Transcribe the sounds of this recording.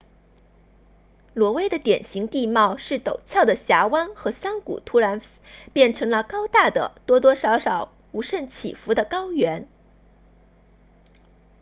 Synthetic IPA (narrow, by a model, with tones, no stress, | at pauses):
lwɔ˧˥we˥ɪd̪ə˨t̪jɛ˨˩nɕi˧˥ŋt̪i˥˧mɑ˥˧ʊʂɻ̩˥˩t̪o˨˩ʊt͡ɕʰjɑ˥˩ʊd̪ə˩ɕja˧˥wa˥nxɤ˧˥sa˥nkṵ˨˩t̪ʰu˥ɻa˧˥n | pjɛ˥˩nʈ͡ʂʰɤ˧˥ŋlə˧kɑ˥ʊt̪a˥˩d̪ə̰˩t̪wɔ˥t̪wɔ˥ʂɑ˧˥ʊʂɑ˨˩˦ʊ | u˧˥ʂə˥˩nt͡ɕʰḭ˨˩fu˧˥d̪ə˨kɑ˥ʊɥɛ˧˥n